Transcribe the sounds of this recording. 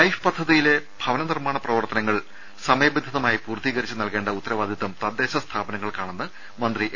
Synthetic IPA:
lɐjfɨpɐd̪ʱːɐðijile̞b̥ʱɐʋɐnɐnirmaːɳɐprɐʋɐrt̪ɐnɐŋːɐɭ | sɐmɐjɐbed̪ʱɐðɐmaːjipuːrt̪iːɣɐɾit͡ɕːɨnɐlke̞ːɳɖɐut̪ːɐɾɐʋaːd̪ʱit̪ːɐmt̪ɐd̪ːe̞ːɕɐst̪ʰaːbɐnɐŋːɐɭkaːɳenːɨ | mɐnd̪riʔ

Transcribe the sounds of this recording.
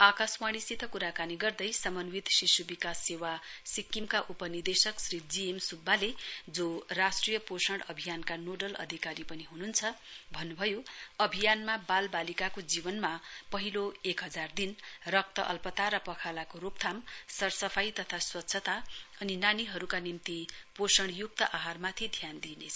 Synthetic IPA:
akaswaɽisit̪ʰʌkuɾakaniɡʌrd̪ʌjsʌmʌnwit̪sisubikasːewasikːimkaʔupʌnird̪esʌksɾid͡ziemsubːaled͡zorasʈrijʌposʌɽʌbʱijankanoɖʌlʌ̰d̪ʱikaɾipʌniɦununt͡sʰʌbʱʌnːubʱʌjoʌbʱijanmabalbalikakod͡zibʌnmapʌɦiloekɦʌd͡zard̪inrʌk̚t̪ʌʔʌ̰lpʌt̪aɾʌpʌkʰalakoɾupt̪ʰamsʌrsʌpʰajt̪ʌt̪ʰaswʌt̪ːsʰʌt̪aʌninaniɦʌɾukanimt̪iposʌɽ̃juk̚t̪ʌʔaɦarmat̪ʰid̪ʱjand̪inet͡sʰʌ

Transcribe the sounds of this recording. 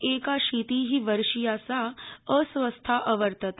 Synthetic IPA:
ekaʃit̪iːɦiʋəɾʂijasaəsʋəst̪ʰaʔəʋəɾt̪ət̪

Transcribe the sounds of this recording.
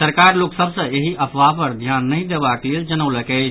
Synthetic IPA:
səɾkaɾloksəbsə̃eɦiʔəpʰʋapəɾd̪ʱjanːəɪd̪ebakleld͡ʒənəwləkɛɪt͡ʃʰ

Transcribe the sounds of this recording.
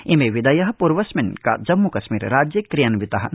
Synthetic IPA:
imeʋɪd̪ɐjɐɦɐpuːɾʋɐsmɪnka̰d͡ʒɐmːukɐʃmḭːɾɾaːd͡ʒjɐkɾijɐnʋɪt̪ɐɦɐ̆

